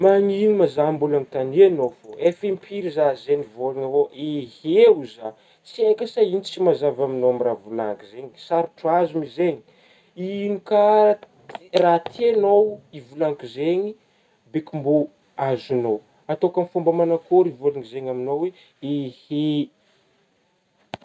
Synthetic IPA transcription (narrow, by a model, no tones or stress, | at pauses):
maŋinimazambulanit̪anianofoefimpʰiɾizazenivolaŋavoeheuza | t͡siajkʲasainit͡simazavaminoamiravulaŋkizeɲisaɾuʈ͡ʂuazumizeɲi | inika | rat̪ʰenowivulaŋkuzeɲi | bekumbu | azunow | at̪okamfumbamanakoɾivolaŋizeɲaminowe | ehe